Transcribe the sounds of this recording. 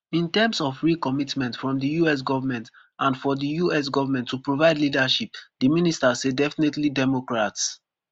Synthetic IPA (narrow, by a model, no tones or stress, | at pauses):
ĩntɛmsɔfɹikɔmitmɛ̃ntfɹɔ̃mdijuɛs̬ɡɔvamɛ̃nt | ʔãnfɔdijuɛs̬ɡɔvamɛ̃ntʰːupɹovaɪdlidaʃip̚dəministasedɛfinetlidɛmokɹats